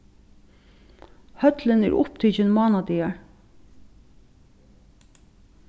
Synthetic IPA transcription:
hœt̪lənæ̰ɹʔʊ̰pt̪ʰʏçənmɑːnɑd̪iːɑɹ

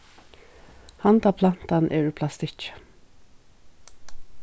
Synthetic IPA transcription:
hant̪aːpʰlan̥t̪anʔḛːɹʉːpʰlast̪ɪt͡ʃ

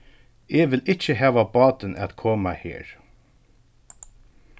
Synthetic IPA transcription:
ɛʋɪlɪt͡ʃːəɦæːʋabɑːt̪ɪnʔɛ̰t̪kʰoːmahḛːɹ

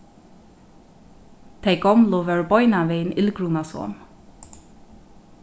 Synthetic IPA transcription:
t̪ʰɛjɡɔmlʊʋɛɹbɔʏnaʋeːnɪlɡɹunasɔ̰n

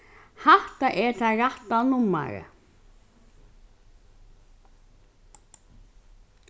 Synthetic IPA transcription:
haht̪aʔɛɾθaraht̪anumːa̰ɾʏ̰

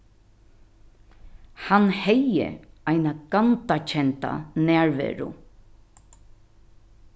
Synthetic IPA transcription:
hanhɛjə̰ajnaɡ̥ant̪at͡ʃʰɛnt̪a̰næːɹʋɛ̰ːɹʊ̰

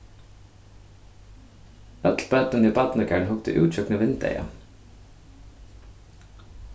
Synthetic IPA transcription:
œt̪l̩bæːt̪ʉniːbɑt̪nəkʰæːɳhʊkt̪ə̰ʔʉːt͡ʃœknəʋɪnt̪̚ḛɪɑ̰

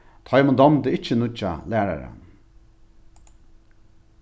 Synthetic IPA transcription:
t̪ʰɑjmʊnd̪ɔmd̪əɪt͡ʃːənʊt͡ʃa̰læːɾa̰ɾa̰n

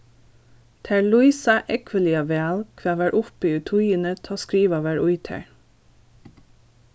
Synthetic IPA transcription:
t̪ʰæɹɭʊiːsɑʔɛkʰʋəlɪɑʋeɑlkʰʋæːʋæːɹʔʊfeʉt̪ʰʊiːənət̪ʰɑːskɹiːʋɑːʋæːɹʔʊɪt̪ʰæ̰ɹ

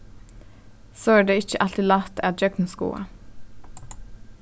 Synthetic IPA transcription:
soːæːɖeːɪçəʔɑlt̪ɪlɑt̪ʰæ̰ːd͡ʒœɡ̪̚n̩skṵːɑ̰

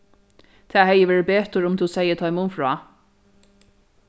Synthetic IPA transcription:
t̪ʰæːɦɛjəʋeːɹɪbeːt̪əɹʊmt̪ʰusɛjət̪ʰɔjmʊmfɹɑ̰ː

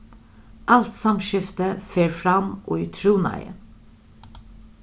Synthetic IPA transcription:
ʔɑlt̪sɑmʃɪft̪əfeːɹfɾɑmʔo̰ːiːt̪ʰɾuːnɑ̰ɪə̰

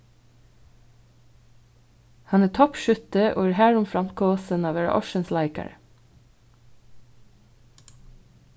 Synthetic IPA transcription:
hɑnæːt̪ʰɔpʃʉt̪əʔo̰ːæːhæːɹʊmfɾɑmt̪̚kʰoːsənɑːʋæːɹɑ̰ʔɔʃənslæɪkæ̰ɹə̰

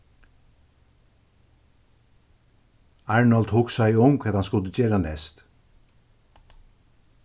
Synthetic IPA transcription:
ɑɹɳɔld̪huːksæɪʊŋkʰɛt̪hanskʊlt̪ət͡ɕeːɾanɛ̰st̪

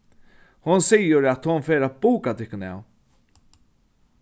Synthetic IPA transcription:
hʊnsijəɾɛt̪hʊnfeːɾabuːkat̪ʰɪhkːʊna̰w

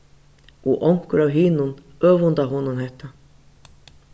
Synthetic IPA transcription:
ɔʔɔŋ̥kʏɾawɦɪnun | œːvʊnt̪aɦɔnʊnɦɛht̪ːa

